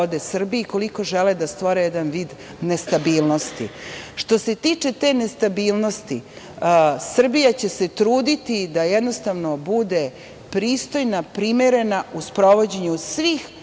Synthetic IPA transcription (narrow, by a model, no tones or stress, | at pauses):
od̪esr̩biiko̞liko̞ʒeled̪ast̪ʋoɾejed̪anʋiːd̪ | ne̞st̪abiːlˠno̞st̪ḭʃt̪o̞se̞t̪iːt͡ʂe̞t̪e̞nest̪abiːlˠno̞st̪ḭ | sr̩bijat͡ɕe̞se̞t̪ɾuːd̪it̪id̪ajɛd̪no̞st̪aʋno̞bud̪e | pɾiːst̪o̞jnapɾimeɾe̞nauspɾo̞ʋo̞d͡ʑeɲusʋiːx